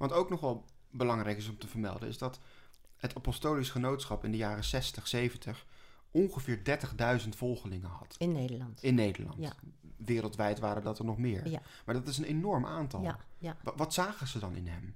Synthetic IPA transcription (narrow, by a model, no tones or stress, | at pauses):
ʋɑtowknɔχʋɛlˠ | bəlɑŋrɛjkɪs̬ɔmtəvəɹmɛ̰lˠdə̰nʔɪ̰zdɑt | ɦətʰapɔstoːlisχənowtsχɑpɪndəjaːrəsɛstəχsejvəntəχ | ʔɔnχəvɪːɹdɛɹtəχdœɥzəntfɔlˠχəlɪŋənɦɑ̰tndəntɪnːejdə̰ɹlɑ̰ntʋɪːɾəlˠtʋɛjtʋaːɾədɑtənɔχmɪːɹ | maːɹdɑtɪs̬ənenɔɹmaːntɑ̰l | ʋɑtsaːχəzədɑnʔɪ̰nɦɛ̰m